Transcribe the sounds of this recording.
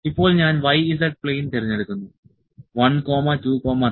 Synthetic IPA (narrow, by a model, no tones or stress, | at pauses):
ipːo̞ːɭɲaːnʋɐjizd̪ɐʈ̚pɭeːjint̪eɾiɲːeɽukːund̪u | ʋɐnkoːmaːʈuːkoːmaː